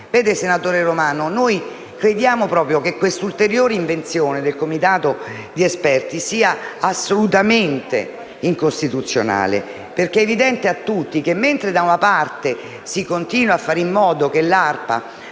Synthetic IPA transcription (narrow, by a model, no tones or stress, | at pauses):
vɛːd̪esenat̪oːɾeɾomaːnonoj | kɾed̪jaːmopɾɔːpɾjokekːwest̪ult̪eɾjoːɾeiɱvent̪sjoːned̪elkomit̪aːt̪o | d̪iɛspɛrt̪isiːaasːolut̪ament̪ḛ | iŋkost̪it̪ut̪sːjo̰na̰ːlḛ | perkeɛːvid̪ɛnt̪eat̪ːut̪ːikemːent̪ɾed̪aunapart̪e | sikont̪iːnwafːaːɾimːɔːd̪okelarpa̰